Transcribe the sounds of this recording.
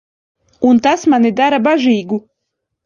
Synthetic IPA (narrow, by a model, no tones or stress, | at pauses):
unt̪asmanid̪aɾabaʒiːɡu